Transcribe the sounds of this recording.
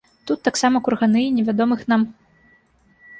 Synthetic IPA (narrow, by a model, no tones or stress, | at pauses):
t̪ut̪ːaksamɐkurɣanɨinʲɛvʲad̪ɔmɨxnam